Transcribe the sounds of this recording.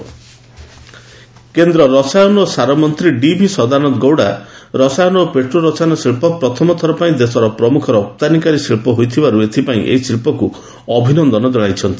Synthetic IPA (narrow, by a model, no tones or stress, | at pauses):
kend̪ɾɔɾɔsajɔnɔosaɾɔmɔnt̪ɾiɖibʱisɔd̪aɾnɔt̪ɡowɽaɾɔsajɔnɔopeʈɾuɾɔsanɔsiɭpɔpɾɔt̪ʰɔmɔt̪ʰɔɾɔpaĩd̪esɔɾɔpɾɔmukʰɔɾɔːp̚t̪anikaɾisiɭpɔɦojt̪ʰibaɾuet̪ʰipaĩʔḛɦisiɭpɔku | ɔbʱinɔnd̪ɔnɔd͡ʒ̪ɔɽ̃ajt͡ʃʰɔnt̪i